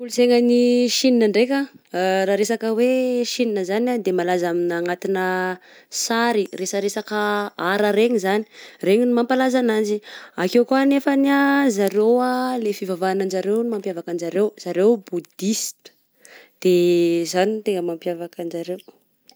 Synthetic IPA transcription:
uluseŋəniʃininaɳɖ͡ʐekʲaraɾesakəweʃininəzanad̪emalazaminaŋat̪inə | saɾiresəɾesakəaɾəɾeɲizani̥reɲinumampalazanand͡ʒiakewkuanefəniazaɾewalefivavanand͡ʒaɾewnimampjavakand͡ʒaɾewz̥aɾewbud̪ist̪ə̥ | d̪̥ezanit̪eŋəmampjavakand͡ʒaɾew

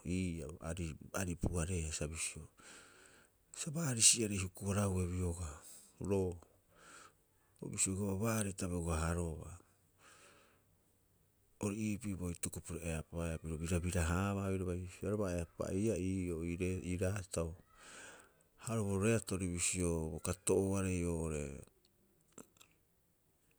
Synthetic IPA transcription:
iːaa̰ɾiaɾipuaɾe̞asabisio | sabaːɾisiaɾejhukuaɾahue̞βioɡa | ɾo | o̰bisioɡaβabaːɾetaβeuaɦaɾoβa̰ | oɾiiːpiboitukupuɾoeapaeabiɾobiɾabiɾaɦaβabiɾaβajaɾoβaeapa̰iaioiɾeiɾatao | haɾoβaɾoɾeatoɾiβisiobokatoʔoaɾe̞joːoɾe̞̰

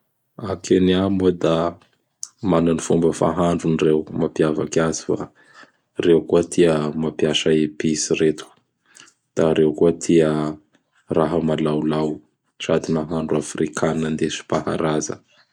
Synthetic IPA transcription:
akʰeniamud̪a | mananifumbəfa̰ɦaɳɖ͡ʐunirewmapjavakazi̥fa̰ | rewkuət̪ʰiəmapjaʃaepisiɾet̪u̥ | d̪̥aɾewkuət̪ʰiə | raɦəmalawlaw | ʈ͡ʂad̪inaɦaɳɖ͡ʐuafrikʰanand̪esi̥paha̰ɾazə̰

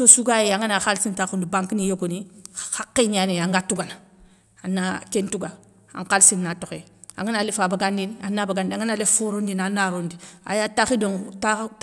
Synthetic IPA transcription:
sosuɡajeaŋanaxalsintaxundibaŋkinijoɡonixakːiɲaneaŋɡatuɡana | anːakentuɡa | a̰ŋkalsinːatoxe | a̰ŋɡanalefabaɡandinanːabaɡandaŋanalefuɾondinanːaɾondia̰jataxidoŋta

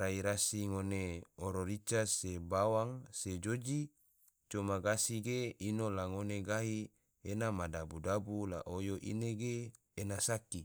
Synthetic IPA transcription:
ɾaiɾasiŋoneoɾoɾit͡ʃasebawaŋsed͡ʒod͡ʒi | t͡ʃomaɡasiɡeinolaŋoneɡaɦi | enamadabudabula̰ʔojoʔḭneɡeː | nasaki

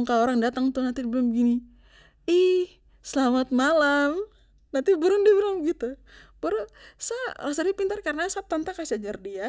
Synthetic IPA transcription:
ŋkaoɾaŋdat̪aŋt̪unant̪idibɾʊmbəɡini | ih | səlamat̪̚malam | nant̪ibəɾʊndiabəɾʊmbəɡit̪ub̥əɾusaras̬ardiapint̪arkaɾənasap̚t̪ant̪akasiad͡ʒardia

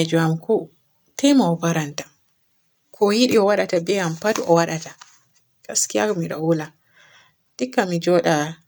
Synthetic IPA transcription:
ɛd͡ʒɔamkʰɔ | tɛjmaɔpaɾanta | kʰɔjiɗiɔwaɗatabɛampatuɔwaɗata | kaskijakɔmiɗa̰wula | tikːamid͡ʒɔɗa

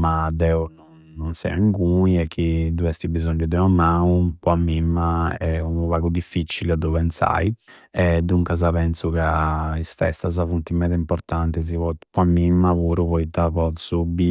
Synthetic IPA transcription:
mad̪ɛunɔnːɔnsɛ̰iŋkuiɛk̟ʰːid̪uɛst̪ibizɔɲːud̪ɛamaupɔamːimːaɛunuβaɡud̪ifːit͡ʃːiled̪upɛnt̪sa̰i | ɛd̪ːuŋkaz̬apɛnsukaisfɛ̰st̪azavunt̪imɛt̪ɛimpɔɾt̪ant̪es̬ivɔt̪pɔamːimːaβuːɾupɔit̪apɔt̪subi

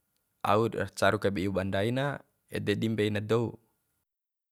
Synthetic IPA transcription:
ʔa̰uda̰t͡ʃaɾukabeiubandaina | ɛ̰dɛdimbeinadou

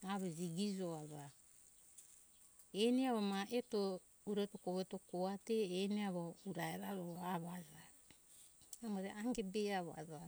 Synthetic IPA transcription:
aβoziɡid͡ʒoaza | eniaβomaʔeto | uɾetokoβeto̞koate̞ːniaβouɾaeɾaɾoaβaza | amoɾeaŋɡebeaβa̰za

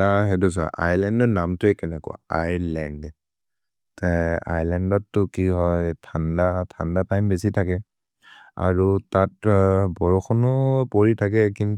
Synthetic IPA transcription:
aɦɛdus̬a̰ʔa̰jlɛndɔnamtʊɛkɛnɛkɔ̰a̰jlɛnd | taja̰jlɛndɔtːʊkiɦɔjtʰandatʰandapajmbesitʰakɛ | a̰ɹutat̚bɔɹɔxʰɔnɔpoɹitʰak̬ɛkin

